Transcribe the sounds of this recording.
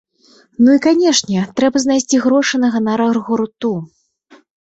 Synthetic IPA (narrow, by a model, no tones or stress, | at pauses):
nuikanʲɛʂnʲɛt̪ɾɛbɐznajsʲt͡sʲiɣɾɔʂɨnɐɣɐnɐɾɐrɣuɾt̪u